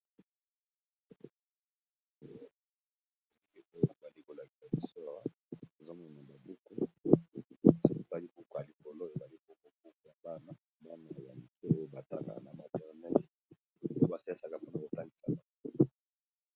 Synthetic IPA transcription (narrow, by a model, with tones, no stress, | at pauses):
ni˦ke˦˨o˦o˦˨za˨li˦ko˨la˨ki˨sa˨bi˨sɔ˦˨ʁa˦ | e˨za˦mo˨na˨ba˨bu˦ku˦˨ | si˨ko˨pa˦li˦bu˦ku˨a˨li˨ko˨lo˦e˨za˨li˦ko˦ko˦bu˦ku˨ja˨ba˦na˦ | ba˦na˨ja̰˨li˨kʰe˦o˦jo˦ba˨ta˦la̰˨na̰˨ma˨tɛ˨ʁnɛ˦t | o˦o˦ba˨sa˦sa˨ka˨ba˦na˨ko˨ta˦ŋɡi˨sa̰˨ka˨˦